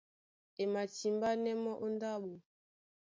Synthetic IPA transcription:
e˨ma˨t͡ʃi˨mba˦nɛ˦mɔ˦ʔo˦nda˦ɓo˨

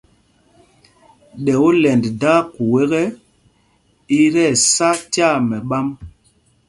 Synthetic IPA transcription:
ɗɛ˨wo˦lɛ˨ndda˦ku˨we˦ɣɛ˦ | i˦ɾɛ˦˨sa˦tja˦˨mɛ˨ɓa˦m

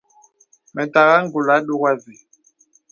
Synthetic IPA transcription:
mɛ˨ta˨ɣa˦ŋ˦ɡu˨la˨˦ɗu˦ɣa˦zi˨

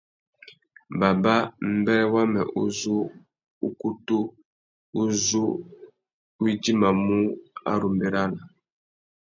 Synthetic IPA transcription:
ba˨ba˦m̩˦bɛ˦ɾɛ˦wa˦mɛ̰˨ʔṵ˦zu˦ | u˦ku˦tu˦ | u˦zu˦ | i˦di˦ma˨mu˦a̰˦ɾu˨mbe˨ɾa˦la˨

